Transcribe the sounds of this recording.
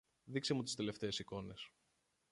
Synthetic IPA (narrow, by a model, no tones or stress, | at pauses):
ðikse̞mut̪i̥st̪e̞le̞ft̪e̞ːsiko̞ne̞s